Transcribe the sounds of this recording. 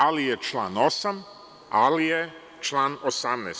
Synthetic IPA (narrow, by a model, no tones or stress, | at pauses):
alijet͡ʃlˠaːno̞sam | a̰lije | t͡ʃlˠaːnosamnɛ̰ːs